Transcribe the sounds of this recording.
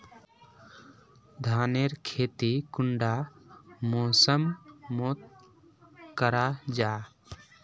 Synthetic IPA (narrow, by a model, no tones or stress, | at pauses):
d̪ʱaːneɾkʰeːt̪ikʊɳɖa | moːsəmmoːt̪̚ | kəɾad͡ʒaː